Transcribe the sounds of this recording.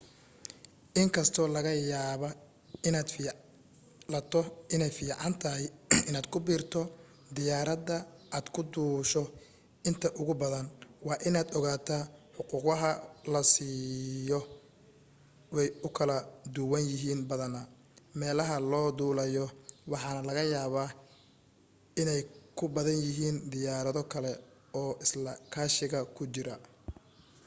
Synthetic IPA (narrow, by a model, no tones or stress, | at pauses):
ʔɪŋkʰɐst̪ʰɔːlɐɣɐjaːβɐ | ɪnaːd̪fiː | lɐt̪ʰɔɪnɛjfiːʕɑnt̪ʰɐɦɪɪnaːd̪̥kʰʊbiːrt̪ʰɔ | d̪ɪjaːɾɐd̪ɐʔaːd̪kʰʊd̪uːʃɔ | ɪnt̪ʰɐʔʊɣʊbɐðɐnwɑːʔɪnaːd̪ɔɣaːt̪ʰaːħʊquːqɐɦɐlɐsiːjɔ | wɛjʊkʰɐlɐd̪ʊwɐnjɪɦiːnbɐðɐnɐ | mɛːlɐɦɐlɔːd̪uːlɛjɔwɑħɑːnɐlɐɣɐjaːβaː | ɪnɛjkʰʊbɐðɐnjɪɦiːnd̪ɪjaːɾɐðɔkʰɐlɛ | ɔːɪslɐkʰaːʃɪɣɐkʰʊt͡ʃɪɾɐ